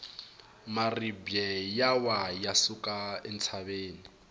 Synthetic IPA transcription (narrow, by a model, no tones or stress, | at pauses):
maribjɛjawajasukʼaɛnt͡sʰaβeːni